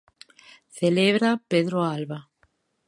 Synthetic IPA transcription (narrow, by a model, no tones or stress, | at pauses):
θeleβɾapeðɾoalβa